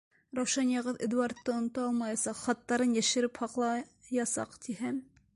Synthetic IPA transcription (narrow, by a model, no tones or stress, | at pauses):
ɾɑwʃɑnjɑʁɤðḛd̪uɑɾt̪ːɤŏn̆t̪ɑɑlˠmɑjɑsɑqχɑt̪ːɑɾɤnjæʃɘ̆ɾɘphɑqlˠɑjɑsɑ̰qt̪ʰiɦæm